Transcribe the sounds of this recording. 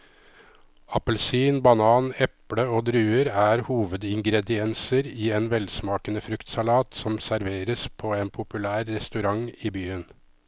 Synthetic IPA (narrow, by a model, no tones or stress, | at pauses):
ɑpəlsiːnbɑnɑːnɛpɽəoːd̪ɾʉːəɾæːɾhuːʋəd̪ɪŋɡɾɛd̪ɪɛnsəɾiːeːnʋɛlsmɑːkənəfɾʉkt̪sɑlɑːt̪sɔmsæɾʋeːɾəspʰoːeːnpʰʊpʉlæːɾːɛst̪ʉɾɑŋiːbyːən